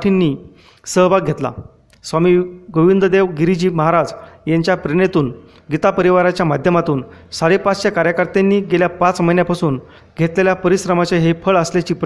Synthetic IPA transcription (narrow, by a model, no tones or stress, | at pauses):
ʈʰinːiː | səɦʋaɡʱet̪la̰ | sʋamiːɡoʋind̪əd̪eʋɡiɾid͡ʑiːməɦaɾad͡zjaɲt͡ɕjapɾeɽet̪uːn | ɡit̪apəɾiʋaɾat͡ɕjamad̪ʱjəmat̪uːn | saɽepat͡st͡ɕakaɾjəkəɾt̪enːiːɡeljapat͡sməjnjapasuːn | ɡʱet̪leljapəɾisɾəmat͡ɕaɦefʰəɭəsljat͡ɕiːpɾ